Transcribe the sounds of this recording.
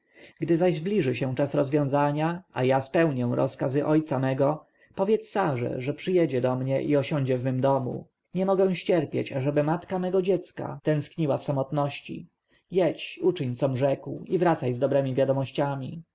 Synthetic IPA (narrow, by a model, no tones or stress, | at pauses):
ɡd̪ɘzaʑzblʲiʐɘɕɛ̃t͡ʂasɾɔzvʲjɔ̃w̃zaɲaajaspɛwɲɛw̃ɾɔ̰skazɘʔɔjt̪samɛɡɔ | pɔvʲjɛt̪ssːaʐɛ̰ʐɛpʂɘjɛd͡ʑɛd̪ɔmɲɛʔiɔɕɔ̃ɲd͡ʑɛvmɘmd̪ɔmṵ | ɲɛmɔɡɛ̃w̃ɕt͡ɕɛɾpʲjḛt͡ɕaʐɛbɘmat̪kamɛɡɔd͡ʑɛt̪ska̰t̪ɛ̃skɲiwafsamɔt̪nɔɕt͡ɕḭ | jɛt͡ɕut͡ʂɘɲt̪sɔmʐɛkwivɾat̪sajzd̪ɔbɾɛmʲivʲjad̪ɔmɔɕt͡ɕamʲḭ